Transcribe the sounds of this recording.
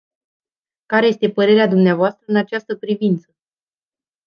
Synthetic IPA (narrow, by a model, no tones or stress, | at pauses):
kaɾe̞je̞st̪e̞pəɾe̞ɾead̪umneavoast̪ɾəɨnat͡ʃast̪əpɾivint̪sə